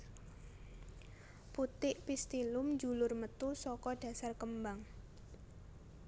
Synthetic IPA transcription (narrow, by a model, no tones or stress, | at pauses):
put̪ɪʔpist̪ilʊmd͡ʒulʊrmət̪usɔkɔɖ̥ä̤sarkəmbaŋ